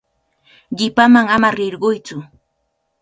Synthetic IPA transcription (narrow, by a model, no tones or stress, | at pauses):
ɢɪpamaŋamaɾɪɾɢʊjt͡sʊ